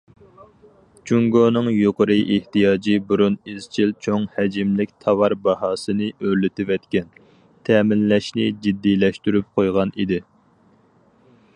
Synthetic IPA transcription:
t͡ʃʰuŋɡoːnɨŋjoqəɾɨʔeht̪ijɑːd͡ʒibuɾuniz̥t͡ʃʰilt͡ʃʰoŋhɛd͡ʒimlɪkʲt̪ʰɑwɑɾbɑɦɑːsɨnɨøɾlɪt̪ɪvɛt̪kʲɛn | t̪ʰɛːmɪnlɛʃnɪd͡ʒid̪ːilɛʃt̪yɾyp̚qʰojʁɑnid̪ɪ

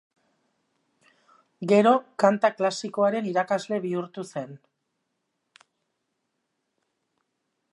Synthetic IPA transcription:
ɡe̞ɾo̞kant̪aklasiko̞aɾe̞niɾakazle̞βiuɾt̪use̞n

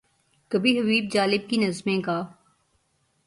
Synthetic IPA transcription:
kɐbʱiɦɐbiːb̚d͡ʒaːlɪb̚kinɐzmẽkaː

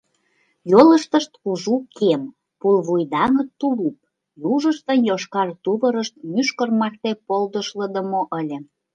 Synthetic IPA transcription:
jolə̆ʃt̪ə̆ʃt̪uʒukʰem | pulβujd̪ɑŋə̆t̪ːulup̚ | juʒə̆ʃt̪ənjoʃkɑrt̪uβə̆ɾəʃt̪̚myʃkərmɑrt̪epold̪əʃlə̆d̪ə̆moʔəlʲĕ

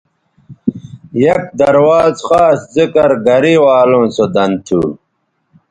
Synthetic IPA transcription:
jɐk̚d̪ɐɾwaːzxaːszikɐɾɡɐɾiwaːlõːsod̪ɐnt̪ʰṵː

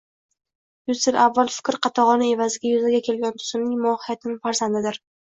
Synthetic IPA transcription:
jʊzsɪlavːalˠfɪ̥kʲɾqʰɑt̪ʰɑʁɒnɪe̞vazɪɡʲajʊzaɡʲakʲʰe̞lɡʲant̪ʰʊ̥z̥ɪmnɪŋmʊɒhɪjat̪ʰɪnɪŋfaɾzand̪ɪd̪ɪɾ

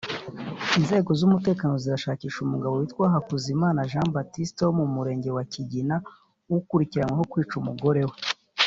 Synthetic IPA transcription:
inze̞ːɡo̞zumute̞ːkaːno̞ziɾaʃaːciːʃumuɡaβowitkwaːɦakuzimaːnaʒãːmbatistomumuɾe̞ːɲɟe̞waciɟina | wukuɾiciɾamweɦo̞kwiːt͡ʃumuɡo̞ɾe̞we

